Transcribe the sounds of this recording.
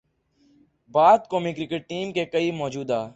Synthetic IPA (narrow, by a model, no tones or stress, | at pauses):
baːd̪̚koːmiːkɾɪkəʈ̚ʈːiːmkeːkəiːmɔːd͡ʒuːd̪aː